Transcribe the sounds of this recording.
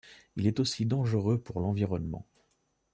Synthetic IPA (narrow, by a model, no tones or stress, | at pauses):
ilɛt̪osid̪ɑ̃ʒəʁøpuʁlɑ̃viʁɔnmɑ̰̃